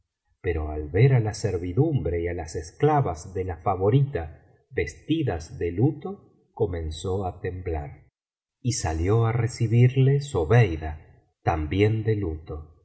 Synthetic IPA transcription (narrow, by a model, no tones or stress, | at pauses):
peɾo̞̰alβeɾalaseɾβiðumbɾe̞ialasesklaβazðelafaβo̞ɾit̪a | βe̞st̪iðazðelut̪o̞ | ko̞mẽ̞nso̞at̪e̞mbla̰ɾ | isaljo̞aresiβiɾlesoβejða | t̪ambje̞nd̪e̞lut̪o̞